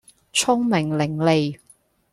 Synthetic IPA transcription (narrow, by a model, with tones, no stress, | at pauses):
t͡sʰʊ˥ŋmɪ˨˩ŋlɪ˨˩ŋle˨j